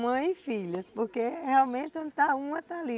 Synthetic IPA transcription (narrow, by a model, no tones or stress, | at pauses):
mɐ̃j̃ifiʎɐspoɾkeheawmẽnt̪ɪõd̪t̪aũmɐt̪ali